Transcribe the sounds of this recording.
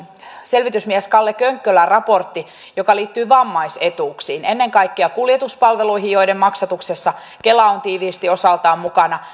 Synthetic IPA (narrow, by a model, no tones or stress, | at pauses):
se̞lʋit̪ysmiæskɑlːekøŋkːølærɑpo̞rt̪ːi | jokɑliːt̪ːyːʋɑmːɑise̞t̪uːksiːnenːe̞ŋkɑjkːiɑkuljet̪uspɑlʋe̞luiɦijo̞idemmɑksɑt̪uksesːɑ | kelːɑont̪iːʋiːst̪io̞sɑlt̪ɑːmmukɑnɑ